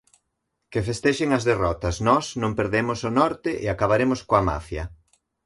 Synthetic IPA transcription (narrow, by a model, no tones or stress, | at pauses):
kefest̪eʃeŋɐzðerɔt̪ɐsnɔsnõmpeɾðemʊsonɔɾt̪ɪʔɪakaβaɾemoskoama̰fjɐ